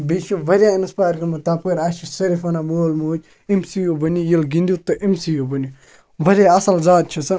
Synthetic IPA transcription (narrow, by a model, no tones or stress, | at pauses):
biʃuʋɐɾʲainspaːɾkɐmɐt̪aːpkɐɾaːʃisɐɾifɐnamoːlmuːt͡ʃ | imsijobɐnijilɡind̪ut̪ɐʔimsijobɐnji | ʋɐɾʲaɐsɐlzaːt̪̚t͡ʃʰɐsɐ